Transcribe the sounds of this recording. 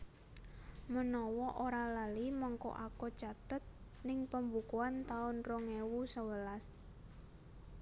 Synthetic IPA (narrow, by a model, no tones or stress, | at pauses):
mənɔwɔʔoɾalalimɔŋkɔ̰ʔakot͡ʃat̪ət̪̚ | nɪŋpəmbukuant̪aʊnroŋewusəwəlas